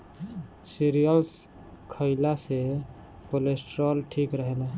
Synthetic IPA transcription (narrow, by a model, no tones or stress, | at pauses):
siɾijəls | kʰəɪlase | kolesʈɾolʈʰikɾəɦel